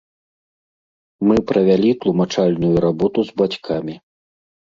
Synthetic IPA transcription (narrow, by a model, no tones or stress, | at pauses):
mɨpɾɐvʲalʲit̪lˠumat͡ʂalʲnujuɾabɔt̪uzbat͡sʲkʰamʲi